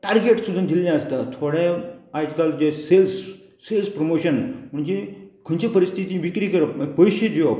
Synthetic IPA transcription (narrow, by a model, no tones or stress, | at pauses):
ʈaɾɡeʈsud̪ʱəmd̪ʱiljãəst̪at̪ʰoɽẽad͡ʑkald͡ʑeselsː | elspɾomoɕənməɳd͡ʑekʰənt͡ɕipəɾist̪ʰit̪iʋikɾikəɾəməpəjɕed͡ʑo